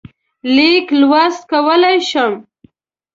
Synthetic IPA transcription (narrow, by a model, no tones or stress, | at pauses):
liklwast̪̚kawəlajʃəm